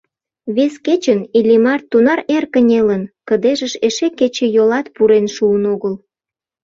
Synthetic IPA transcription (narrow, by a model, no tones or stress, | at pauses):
βesket͡ɕənilʲimɑrt̪ːunɑɾerkənʲelənkəd̪eʒəʃeʃeket͡ɕejolɑt̪puɾenʃuənoɣəl